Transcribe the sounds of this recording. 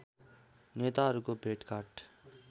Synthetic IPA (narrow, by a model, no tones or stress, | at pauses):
neːt̪aɾukobʱeːʈkaːʈ